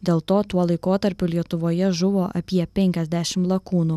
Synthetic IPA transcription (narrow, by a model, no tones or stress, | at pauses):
d̪ʲeːlˠt̪oːt̪uɔlˠɐɪkoːt̪ɐɾʲpʲʊlʲiɛt̪ʊʋoːjɛʒʊʋoːʔɐ̰pʲiɛpʲɛŋʲkʲɛzʲd̪ʲæʃʲɪmlˠɐkuːnuː